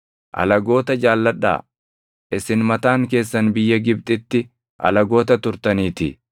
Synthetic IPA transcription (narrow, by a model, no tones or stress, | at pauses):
ʔɐ̰lɐɡo̞ːt̪ɐd͡ʒaːlːɐᶑa̰ː | ʔɪsɪnmɐt̪aːŋk̬e̞ːsːɐnbɪjːɐɡɪb̚t̪ʼɪt̪ːɪ | ʔɐ̰lɐɡo̞ːt̪ɐt̪ʊɾt̪ɐniːt̪ɪ̰